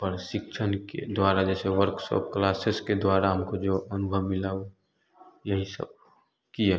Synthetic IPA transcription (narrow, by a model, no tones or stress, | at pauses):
pəɾʃɪkʃʰənkḛd̪waːɾad͡ʒɛːseʋəɾksɔ̰p̚klaːsesked̪waːɾaɦəmkod͡ʒoʔənʊbʱəʋmɪlao | jəɦisə̰b̚ | kia